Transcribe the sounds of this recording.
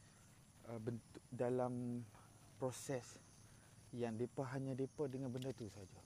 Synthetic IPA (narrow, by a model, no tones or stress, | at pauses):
əbənt̪ʊ̥k̚dalam | pɾosɛs | jaŋdepaɦaɲãdepədəŋanbəndat̪usaɦad͡ʒa